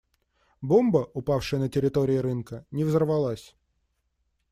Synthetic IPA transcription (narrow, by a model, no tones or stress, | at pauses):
bombəʔʊpafʂɨjənətʲɪɾʲɪt̪oɾʲɪɪɾɨnkənʲɪvzərvɐlˠasʲ